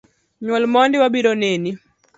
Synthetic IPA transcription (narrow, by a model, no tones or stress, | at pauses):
ɲwɔlmɔndiwabiɾɔneni